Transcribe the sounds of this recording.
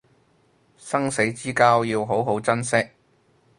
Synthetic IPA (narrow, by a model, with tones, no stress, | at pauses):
sɐ˥ŋse˨˥jt͡siː˥kaː˥wjiː˧wɦo˨˥wɦo˨˥wt͡sɐ˥nsɪ˥k̚